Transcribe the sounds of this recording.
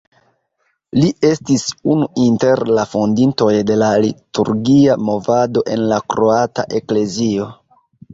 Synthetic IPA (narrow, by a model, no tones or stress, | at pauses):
liʔe̞stisunuinte̞ɾlafondinto̞jde̞lalitṵɾɡiamo̞vado̞ʔe̞nlakɾo̞ata̰ʔe̞kle̞zio̞